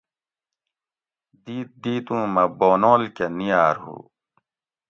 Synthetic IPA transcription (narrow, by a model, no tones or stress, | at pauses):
d̪iːt̪̚d̪iːt̪ũːmɐboːnoːlkenijaːɾɦṵː